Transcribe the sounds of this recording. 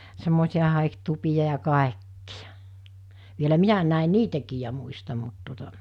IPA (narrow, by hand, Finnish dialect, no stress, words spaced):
semːoˑisiɑ hɑˑiktupiɑ jɑ kɑˑekːijɑ ʋielæ minæ næin̆ niːtækiː jɑ muistɑm̆ mut tuotɑ